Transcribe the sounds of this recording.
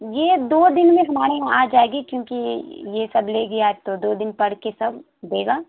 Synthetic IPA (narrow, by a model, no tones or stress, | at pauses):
jeːd̪oːd̪ɪnmẽɦɐmaːɾeɦãaːd͡ʒaːeːɡikjõːkijesɐbleːɡɐaːɛt̪od̪oːd̪ɪnpɐɽ̤kesɐb | d̪eːɡaː